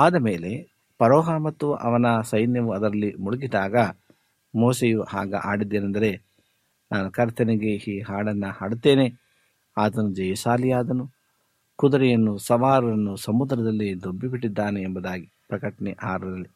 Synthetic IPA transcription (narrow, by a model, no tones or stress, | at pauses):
aːd̪ɐmeːle̞ | pɐɾoːɦamɐt̪ːuɐ̰ʋɐnɐsɐjnjɐʋuɐd̪ɐɾɐlːimuɭuɡid̪aːɡɐ | moːsejuha̰ːɡɐ̰ʔaːɽid̪ːeːnɐnd̪ɐɾe̞ | naːnukɐɾt̪ʰɐniɡe̞iːɦaːɭɐnːɐhaːɽut̪ːeːne̞ | aːt̪ɐnud͡ʒɐjɐsaːlijaːd̪ɐnu | kud̪ɐɾɛjɐnːusɐʋaːɾɐɾɐnːusɐmud̪ɾɐd̪ɐlːid̪obːipiʈːid̪ːaːneːmbɐd̪aːɡi | pɾɐkɐʈɐnɛʔaːɾɐɐlːi